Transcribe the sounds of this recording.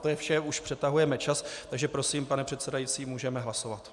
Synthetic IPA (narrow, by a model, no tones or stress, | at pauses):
t̪ojɛfʃɛuʃpr̥ɛt̪aɦujɛmɛt͡ʃast̪aɡʒɛpɾo̞siːmpanɛpr̝̥ɛt̪sɛdajit͡siːmuːʒɛmɛɦlaso̞vat̪